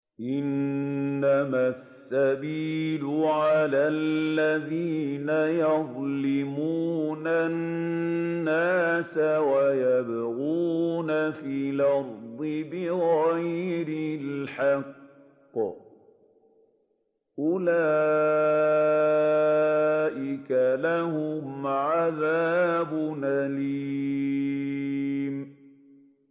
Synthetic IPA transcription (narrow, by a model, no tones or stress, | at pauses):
ʔɪnː | amasːabiːlʊʕalaːlːaðiːnajɑðˤlɪmuːnanː | aːsawajabaɣuːnafiːlɑfðˤɨbɪɣajɾɪlħɑqː | ʔʊlaː | ʔɪkalahʊmʕaðaːbʊnali | m